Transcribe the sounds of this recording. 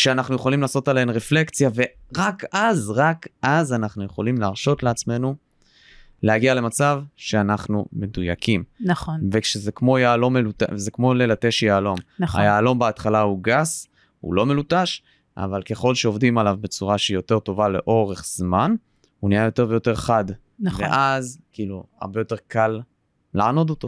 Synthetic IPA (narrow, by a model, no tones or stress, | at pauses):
kʃeanaχnujeχo̞limlaːso̞taleenʁeflekt͡sjave̞ʁakazʁakʔazanaχnuje̞χo̞limlaʁʃo̞tleat͡sme̞nu | lehaɡiale̞mat͡savʃe̞anaχnume̞dujakimnaχonvekʃezekmo̞jaːlo̞melutazekmo̞lelate̞ʃjeːlo̞mna̰jaːlo̞mbaat̪χalauɡas | ṵlo̞me̞lutaʃ | ʔa̰valke̞χo̞lʃeo̞vd̪imalavbe̞t͡suʁaʃeijo̞te̞ʁto̞vale̞̰ʔo̞ʁe̞χz̥man | unijajo̞te̞ʁvejo̞te̞ʁχad | nveʔazkiːlua̰ʁbe̞jo̞t̪e̞ʁkʰalː | aʕano̞do̞t̪o̞